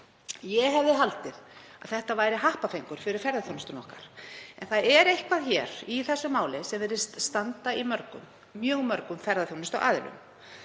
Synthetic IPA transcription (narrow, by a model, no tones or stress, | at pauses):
jɛɦɛvðɪɦalt̪ɪð | aðθɛht̪avaːjɾɪɦahpafejŋkʏɾ̥fɪɾɪɾ̥fɛɾðaθjownɪst̪ʏnɔhkaɾ̥ɛnθaðɛɾejhkvaðçɛːɾ̥iθɛsːʏmaːwlɪsɛmvɛɾɪ̥st̪st̪ant̪aimœɾkʏ̰mː | jœːɣmœɾkʏmfɛɾðaθjownɪst̪ɔ̰ʔa̰ːðɪ̰lʏ̰m